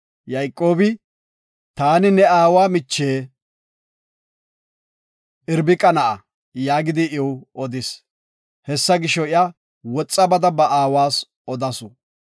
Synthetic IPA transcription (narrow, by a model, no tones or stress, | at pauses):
jɐjkʼːo̞ːbɪ | t̪aːnɪnɛaːwaːmɪt͡ʃːeː | ɪɾbɪkʼɐnɐʔɐ | jaːɡɪd̪ɪʔɪwɔd̪ɪs | hɛsːɐɡɪʃːɔɪa | wɔt͡sʼːɐbɐd̪ɐbɐʔaːwaːs | ɔd̪ɐsʊ